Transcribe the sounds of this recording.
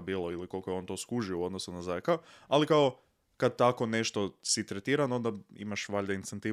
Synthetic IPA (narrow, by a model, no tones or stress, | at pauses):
biːlˠoiliko̞lˠkojo̞nt̪o̞ːskuʒiouo̞d̪nosunazaekaoalikao | kad̪̚t̪ako̞ne̞ʃt̪osit̪ɾet̪iːɾano̞nd̪aḭmaʃʋaʎʲd̪einsent̪iː